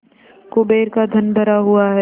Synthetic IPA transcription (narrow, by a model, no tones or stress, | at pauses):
kʊbeːɾkad̪ʱɐnbʱɐɾaɦuaɦɛː